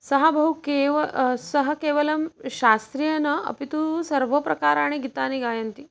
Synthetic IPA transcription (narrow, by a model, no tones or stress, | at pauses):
sɐɦɐbʱɐɦukeːʋɐsɐɦɐ̆keːʋɐlɐmʃaːst̪ɾijɐnɐɐ̰pit̪usɐɾʋɐpɾɐkaːɾaːɳ̃eɡit̪aːniɡaːjɐnt̪i